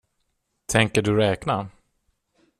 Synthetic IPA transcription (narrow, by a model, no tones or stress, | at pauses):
t̪ʰɛŋkəɖɵɾɛːkna